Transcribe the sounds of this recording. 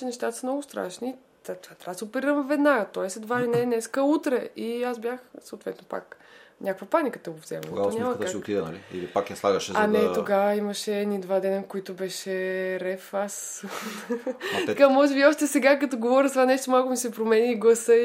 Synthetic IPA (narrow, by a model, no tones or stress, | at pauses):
ɛnɛʃt̪at̪ə̥səmnɔɡʊst̪ɾa̰ʃni | t̪at̪vat̪ɾasəopɛɾiɾəmvɛd̪naɡət̪ɔɛslɛd̪vaɛnɛnɛskəut̪ɾɛiazbʲjaxsoʊt̪vɛt̪nopa̰knʲʔakvəpanikət̪əɡovzɛ̰mnɡaɔnʲɲamət̪at̪id̪ɛnɐ̰liḭlipakaslˠaɡəʃɛzɐnɛt̪oɡavəiməʃɛːnid̪vad̪ɛnəkoit̪ʊbɛʃɛɾɛfas | t̪ɐkamɔʒɛbiɔʃt̪ɛsɛɡakɐt̪ɔɡovɔɾʲəzt̪vanɛʃt̪omalˠkʊmisɛpɾomɛniːɡlˠɐsə